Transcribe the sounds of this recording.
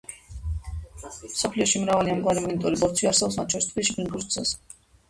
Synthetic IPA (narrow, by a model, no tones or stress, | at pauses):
msɔpʰliɔʃimɾavaliamɡwaɾimɔnit̪ʼɔɾibɔɾt̪sʰwiaɾsɛbɔbpsmat̪̚t͡ʃʰɔɾist̪χvisʃiɡund̪uɾsʰɛ̰s